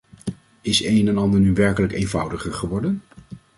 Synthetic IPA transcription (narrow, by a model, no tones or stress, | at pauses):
ɪsejnɛnɑndəɹnyʋɛɹkələkejnvʌwdəχəɹχəʋɔɹdən